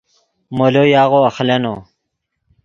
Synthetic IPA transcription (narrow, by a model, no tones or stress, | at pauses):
molojaːɣoɐxleno